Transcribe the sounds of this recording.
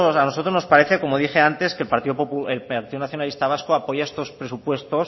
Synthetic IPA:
sano̞sot̪ɾo̞zno̞spaɾe̞θe̞ko̞mo̞ðixe̞ant̪e̞ske̞lpaɾt̪iopopuelpaɾt̪iðonaθjo̞nalist̪aβ̞askoapo̞ʝaest̪o̞spɾe̞supwe̞st̪o̞s

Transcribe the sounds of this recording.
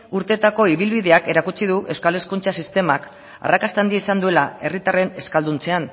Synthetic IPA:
uɾt̪e̞t̪ako̞iβ̞ilβiðe̞ake̞ɾakut͡siðuʔe̞wskale̞skunt͡sasist̪e̞mak | a̰rakast̪and̪ieisand̪ue̞lae̞rit̪are̞ne̞skald̪unt͡se̞an

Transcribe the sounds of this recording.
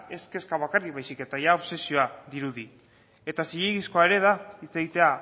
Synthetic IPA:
e̞ske̞skaβ̞akarik̚βajsike̞t̪aʝaoβse̞sio̞aðiɾuði | e̞t̪asijeɣisko̞ae̞ɾe̞ð̞ait͡se̞ɣit̪e̞a

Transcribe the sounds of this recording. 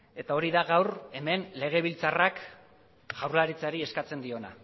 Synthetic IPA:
e̞t̪ao̞ɾiðaɣawɾe̞me̞nle̞ɣ̞e̞β̞ilt͡sarak | ɣawɾlaɾit͡saɾie̞skat͡se̞nd̪io̞na̰

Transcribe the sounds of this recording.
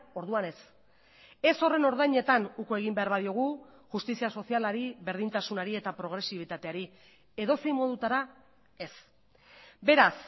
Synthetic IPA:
o̞ɾðuane̞s | e̞so̞re̞no̞ɾðajɲe̞t̪anukoe̞ɣ̞imbe̞aɾβaðio̞ɣ̞uʝust̪isiaso̞sialaɾiβe̞ɾð̞int̪asunaɾie̞t̪apɾo̞ɣ̞ɾe̞siβ̞it̪at̪e̞aɾi | e̞ðo̞sejmo̞ð̞ut̪aɾa | e̞s | be̞ɾas

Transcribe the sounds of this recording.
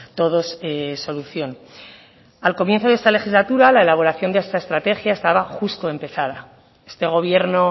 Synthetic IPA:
t̪o̞ðo̞seso̞luθjo̞n | alko̞mje̞nθo̞ðe̞st̪ale̞xizlat̪uɾalae̞laβ̞o̞ɾaθjo̞nd̪eest̪ae̞st̪ɾat̪e̞xjae̞st̪aβaxust̪oe̞mpe̞θaða | e̞̥st̪e̞ɣ̞o̞β̞je̞ɾno̞

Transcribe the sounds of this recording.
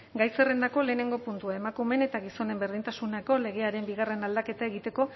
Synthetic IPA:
ɡajse̞re̞nd̪ako̞le̞ːne̞ŋɡo̞punt̪uae̞makume̞ne̞t̪aɣiso̞ne̞mbe̞ɾð̞int̪asunako̞le̞ɣ̞e̞aɾe̞mbiɣare̞nald̪ake̞t̪ae̞ɣ̞it̪e̞ko̞

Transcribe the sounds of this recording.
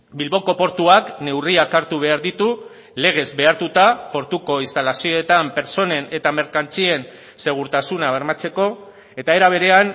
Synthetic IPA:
bilβo̞ko̞po̞ɾt̪uakne̞wriakaɾt̪uβe̞aɾðit̪u | le̞ɣ̞e̞zbe̞aɾt̪ut̪apo̞ɾt̪uko̞ist̪alasio̞et̪ampe̞ɾt͡so̞ne̞ne̞t̪ame̞ɾkant͡sie̞n | se̞ɣ̞uɾt̪asunaβe̞ɾmat͡se̞ko̞ | e̞t̪ae̞ɾaβ̞e̞ɾe̞an

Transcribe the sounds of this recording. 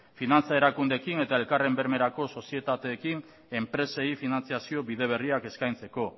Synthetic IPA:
finant͡sae̞ɾakund̪e̞kine̞t̪ae̞lkare̞mbe̞ɾme̞ɾako̞so̞sie̞t̪at̪e̞ːkin | e̞mpɾe̞se̞ifinant͡siasio̞βið̞e̞β̞e̞riake̞skajnt͡se̞ko̞

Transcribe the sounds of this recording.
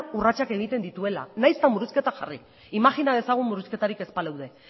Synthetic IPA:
urat͡ʃake̞ɣ̞it̪e̞nd̪it̪ue̞la̰najst̪amuɾuske̞t̪axa̰ri | imaxinaðe̞saɣ̞ummuɾuske̞t̪aɾike̞spalawðe̞

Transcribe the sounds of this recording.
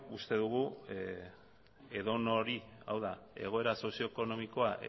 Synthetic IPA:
ust̪e̞ðuɣu | e̞ðo̞no̞ɾia̰wðae̞̰ɣ̞o̞e̞ɾaso̞sio̞eko̞no̞miko̞aʔ

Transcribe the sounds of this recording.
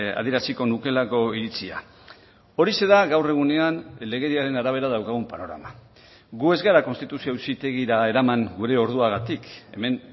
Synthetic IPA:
a̰ðieɾasiko̞nuke̞lako̞iɾit͡sia̰ | o̞ɾise̞ðaɣawre̞ɣ̞une̞anle̞ɣe̞ðiaɾe̞naɾaβ̞e̞ɾaðawkaɣ̞umpano̞ɾa̰ma | ɡue̞zɣaɾako̞nst̪it̪usiosit̪e̞ɣ̞iɾae̞ɾamaŋɡuɾe̞o̞ɾð̞uaɣat̪ike̞me̞n

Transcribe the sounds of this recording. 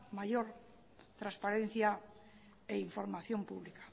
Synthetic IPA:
majoɾ | t̪ɾaspaɾẽn̟θja | eiɱfoɾmaθjompṵβlikḁ

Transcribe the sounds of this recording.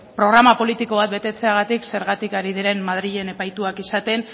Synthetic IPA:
pɾo̞ɣ̞ɾamapo̞lit̪iko̞β̞at̪̚be̞t̪e̞t͡se̞aɣ̞at̪ikse̞ɾɣ̞at̪ikaɾiðiɾe̞mmað̞ɾiʎe̞ne̞pajt̪uakisat̪e̞n

